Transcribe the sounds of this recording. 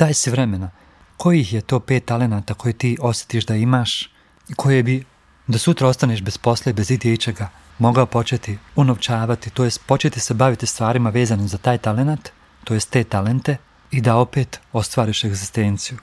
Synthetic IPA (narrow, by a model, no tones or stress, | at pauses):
t̪aːjsiʋɾeme̞na | ko̞jihje̞t̪o̞ːpe̞ːt̪ːale̞naːt̪aːko̞jet̪iːʔo̞sje̥t̪iʃd̪aimaːʃ | ikʰo̞jebi | d̪asut̪ɾao̞st̪aneːʃbe̞spo̞slebe̞zid̪jeit͡ʃe̞ɡa | mo̞ɡaopo̞t͡ʃe̞t̪iunoʋt͡ʃaːʋat̪it̪ojest̪̚po̞t͡ʃe̞t̪ise̞baʋit̪ist̪ʋaːɾimaʋe̞ːzanimzat̪aːjt̪ale̞nat̪ː | oje̞st̪ːe̞ːt̪ale̞nt̪e̞ | id̪ao̞pe̞ːt̪o̞st̪ʋaːɾiʃe̞ɡzist̪e̞ːnt̪siju